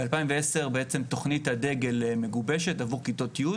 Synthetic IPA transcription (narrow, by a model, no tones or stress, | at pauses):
ealpaimveese̞ʁbeet͡se̞mto̞χnithade̞ɡe̞lme̞ɡubeʃe̞tavuʁkito̞tiju